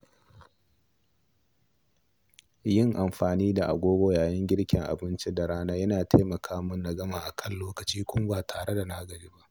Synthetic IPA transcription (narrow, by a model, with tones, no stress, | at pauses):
jɪ˦˨ŋʔa˨mɸaː˨niː˦da˨ʔa˨ɡʷoː˦ɡʷoː˨jaː˨jɪ˦ŋɡʲɪ˦ɽkʲɪ˨ŋʔa̰˨bɪ˦nt͡ʃe˦da˨ɽaː˦naː˦jɐ˦naː˨tʰa˦mɐ˨kʰaː˦mʊ˦nːɐ˨ɡɐ˦maː˨ʔa˨kʰɐ˦˨nloː˦kɐ˨t͡ʃiː˦kʷʊ˦m˦baː˨tʰaː˨ɽe˦da˨naː˦ɡɐ˨ɾiː˦ba˦ʔ